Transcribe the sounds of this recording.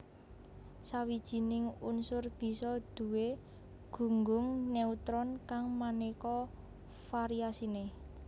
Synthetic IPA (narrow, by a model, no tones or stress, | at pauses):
sawid̥ʒ̥i̤nɪŋunsʊrb̥i̤sɔd̪̥ṳwe | ɡ̥ṳŋɡʊŋneut̪ɾɔnkaŋmanekɔ | faɾiasine